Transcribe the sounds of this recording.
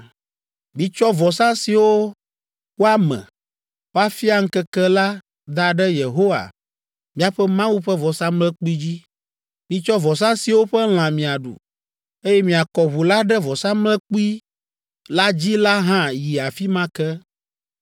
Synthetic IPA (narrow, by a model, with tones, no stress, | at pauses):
mĩ˨t͡ʃɔ˦vɔ˨sã˦si˨wo˦ | wo˦a˦mɛ̰̃˨ | wa˦fi˦a˨ŋ̩˦kɛ˦kɛ˦la˦ | d̪a˨ɖɛ˦je˨ɦo˦wa̰˨ | mĩ˦a˨ɸɛ˦mã˦wu˦ɸɛ˦vɔ˨sã˦mlɛ̃˦k͡pu˦i˦d͡ʑi˦ | mĩ˨t͡ʃɔ˦vɔ˨s̬ã˦si˨wo˦ɸɛ˦l̃ã˨mĩ˨a˨ɖṵ˨ | e˦jɛ˦mĩ˨a˨kɔ˨βu˨la˦ɖɛ˦vɔ˨sã˦mlɛ̃˦k͡pu˦i˦ | la˦d͡ʑi˦la˦ɦã˦ji˨a˨fi˦mã˦kɛ˦